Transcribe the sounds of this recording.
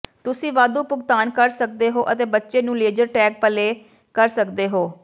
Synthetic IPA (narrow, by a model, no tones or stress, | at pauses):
t̪ʊsĩːʋaːd̪uːpʊɡt̪aːnkəɾsək̚d̪eːɦoːʔət̪eːbətːʃeːnũːleːd͡ʒəɾʈɛːk̚pəleː | kəɾsəkd̪eːɦoː